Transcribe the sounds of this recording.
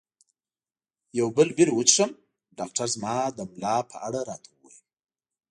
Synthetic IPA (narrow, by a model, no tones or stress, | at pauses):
jawbəlbilwut͡ʃʂəm | ɖɑːkʈaɾzmɑd̪əmlɑpʰə̰aɽaɾɑt̪ʰawuwa̰jəm